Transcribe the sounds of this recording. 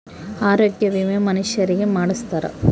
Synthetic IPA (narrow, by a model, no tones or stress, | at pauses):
aːɾoːɡjɐʋimemɐniʃjɐɾiɡemaːɽist̪aːɾɐ̰